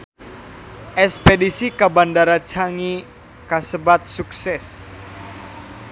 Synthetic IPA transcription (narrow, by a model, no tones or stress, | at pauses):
ʔɛspedisikabandaɾat͡ʃaŋi | kasəbat̪̚suksɛs